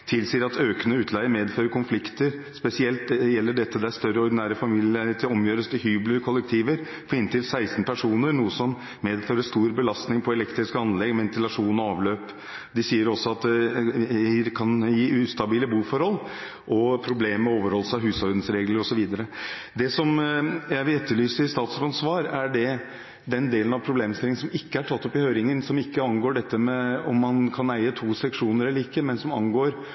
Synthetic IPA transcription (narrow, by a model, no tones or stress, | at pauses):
t̪ʰɪlsiːəɾɑt̪øːkənəʉːt̪ʰlæɪəmeːd̪føːɾəkʰʊnflɪkt̪əɾspɛsɪɛlt̪̚jɛlːəɖɛt̪ːəd̪ɛæɾst̪œɾəɔɾɖ̪ɪnæːɾəfɑmiːlɪæt̪ʰɪlɔmjøːɾəst̪ʰɪɦyːbləɾkʰɔlːɛk̚t̪ʰiːʋəɾ | fɔɾɪnt̪ʰɪlsæɪst̪n̩pʰæʂuːnəɾnuːəsɔm | meːd̪føːɾəst̪uːɾbəlɑst̪nɪŋpʰɔɛlɛkt̪ɾɪskəɑnlɛɡʋɛnt̪ɪlɑʂuːnɔɑːʋløːp | d̪ɪsiːəɾɔsːɔɑt̪̚d̪ɛ | kʰɑnjiːʉst̪ɑbiːləbuːfɔɾhɔlː | ʔɔpʰɾʊbleːmmɛoːʋəɾhɔlːsɑɦʉːsɔɾd̪n̩sɾeːɡləɾɔsɔʋiːd̪əɾəd̪ɛsɔmjæɪʋɪlɛt̪ːəɭyːsəɪst̪ɑːt̪sɾɑnsʋɑːɾæɖɛ | d̪ɛnd̪eːlənɑʋpʰɾʊbleːmst̪ɪlːɪŋnsɔmɪkːəæʈʰɑt̪ːɔpɪhøːɾɪŋənsɔmɪkːəɑnɡoːɖɛt̪ːəmɛɔmːɑnkʰɑnæɪət̪ʰuːsɛkʂuːnəɾɛlːəɾɪkːəmɛnsɔmɑnɡoːɾ